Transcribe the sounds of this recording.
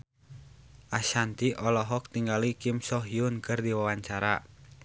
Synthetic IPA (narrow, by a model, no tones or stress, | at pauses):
ʔaʃant̪iʔɔlɔɦɔk̚t̪iŋɡalikimsɔɦjunkɨrdiwawaɲt͡ʃaɾa